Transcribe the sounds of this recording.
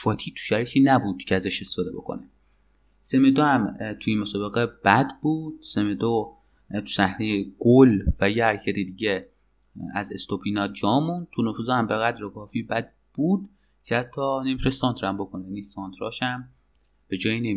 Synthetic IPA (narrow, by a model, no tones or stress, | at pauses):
fɒːt̪ʰiːt̪ʰu̥ʃæɾit̪ʰiːnæbuːd̪̥cʰeæzæʃest̪e̥fɔːd̪e̞bo̞̰kʰo̰ne | semed̪ohæmt̪ʰujemosɒːbe̞ɣebæd̪buːd̪̥̚semed̪o | t̪ʰu̥sæhnejeɡ̥olvæjehæɾcʰæt̪id̪iːɟe | æzḛst̪opʰinɒːd͡ʒɒːmũːnd̪t̪ʰunofuːzhæmbeɣæd̪ɾekʰɒːfiːbæd̪̚ | b̥uːd̪ | cʰeæt̪ʰːɒːnemiɾesɒnt̪ʰɾæmbo̞kʰonejæniːsɒnt̪ʰɾɒ̰ːʃæm | b̥e̞d͡ʒɒːjinem